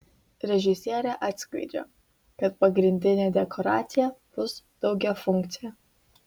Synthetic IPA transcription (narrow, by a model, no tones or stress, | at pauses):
ɾʲɛʒʲɪsʲiɛɾʲɛʔaːt̪ʲskɐ̰ɪd͡ʒʲo̰ | kɐt̪̚pɐɡɾʲɪnʲd̪ʲɪnʲɛd̪ʲɛkʰoɾa̰ːt̪sʲɪjɛb̥ʊsd̪̥ɒʊɡʲɛfʊŋkt̪sʲɪjɛ